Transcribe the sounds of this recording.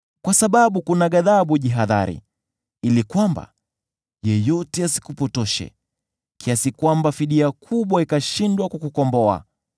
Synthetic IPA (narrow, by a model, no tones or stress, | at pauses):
kwasaɓaɓukunaɠaðaɓuʄiɦaða̰ɾḭ | ilikwamba̰ | jɛjɔtɛasi̥kupɔtɔʃɛ̰ | kiasikwambafiɗiakʰuɓwaikaʃindwakukukɔmbɔa̰